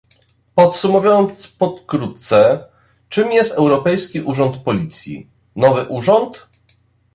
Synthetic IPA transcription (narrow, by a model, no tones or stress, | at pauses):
pɔt̪sumuvʲjɔnt̪spɔt̪kɾut̪t̪sɛ | t͡ʂɘmjɛst̪ɛwɾɔpɛjskʲiʔuʐɔnt̪pɔlʲit̪sʲjḭ | nɔvɘʔuʐɔnt̪